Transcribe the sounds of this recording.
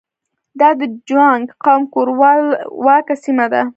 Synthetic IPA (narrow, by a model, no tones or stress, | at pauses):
d̪ɑd̪əd͡ʒwaŋɡqɑmkoɾwlwɑkasimad̪a